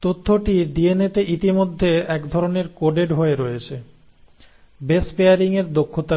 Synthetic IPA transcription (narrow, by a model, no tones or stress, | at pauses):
t̪ot̪ʰːoʈiɖienet̪eʔit̪imod̪ʱːeɛkd̪ʱɔɾoneɾkoɖeɖɦoeɾoet͡ɕʰe | bespeaɾiŋeɾd̪okʰːot̪a